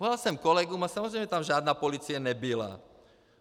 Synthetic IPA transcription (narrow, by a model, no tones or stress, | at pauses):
ɔlalsɛmkɔlɛɡumasamɔzɾɛjmɛt̪amʒɪaːd̪naːpɔliːt͡sijanɛbila̰